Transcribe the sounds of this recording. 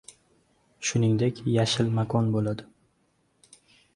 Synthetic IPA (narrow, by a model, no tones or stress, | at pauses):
ʃʊnɪŋd̪e̞kʲjaʃɪlmakʰɒnbolad̪ɪ